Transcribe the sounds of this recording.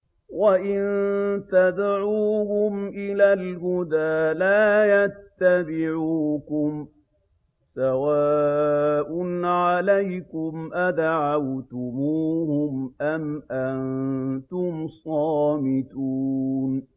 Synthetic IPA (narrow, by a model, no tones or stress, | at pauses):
waʔɪnt̪ad̪ʕuːhʊmʔɪlaːlhʊd̪aːlaːjat̪ːabɪʕuːkʊm | sawaːʔʊnʕalajkʊmʔad̪aʕawt̪ʊmuːhʊmʔamʔant̪ʊmsˤɑːmɪt̪uːn